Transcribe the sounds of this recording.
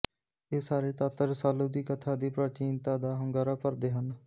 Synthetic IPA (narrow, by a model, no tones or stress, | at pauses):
eːsaːɾeːt̪aːt̪əɾsaːluːd̪iːkət̪ʰaːd̪iːpɾaːt͡ʃiːnt̪aːd̪aːɦəŋɡaːɾaːpəɾd̪eːɦən